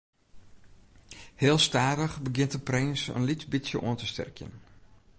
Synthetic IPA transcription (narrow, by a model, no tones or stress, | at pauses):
heːlˠstaːdəχbəɡɪntəprɪnsə̰nlitbisjəʔo̰əntəstɛ̰rkʰjə̰n